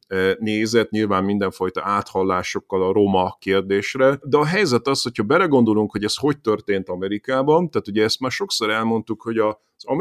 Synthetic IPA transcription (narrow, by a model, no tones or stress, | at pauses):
neːzɛt̪ɲilvaːmmind̪ɛɱfɒjt̪ɒʔaːt̪hɒlːaːʃo̞kːɒlɒɾo̞mɒkeːrd̪eːʃrɛd̪ɛɒɦɛjzɛt̪ɒsho̞chɒbɛlɛɡo̞nd̪o̞luŋkho̞ɟɛsho̞ct̪ørt̪eːnt̪ɒmɛɾikaːbɒnt̪aːt̪uɟɛɛst̪maːrʃo̞kso̞ɾɛlmo̞nt̪ukho̞ɟɒ | z̥ɒ̰m